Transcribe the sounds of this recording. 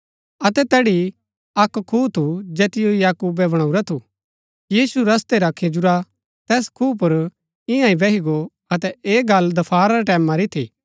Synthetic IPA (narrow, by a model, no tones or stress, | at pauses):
ɐt̪ɛt̪ɛːɽi | ɐkkʰːuːt̪ʰud͡ʒɛːt̪ɪjojaːkuːbɛbɐɽ̃õuɾat̪ʰu | jiːsuɾɐst̪eɾakʰed͡ʒʊɾa | t̪ɛːskʰuːp̬ʊɾ | ɪ̃jãĩbɛɦiɡo | ɐt̪ɛeːɡɐld̪ɐpʰaːɾaɾeʈɛːmãɾit̪ʰiː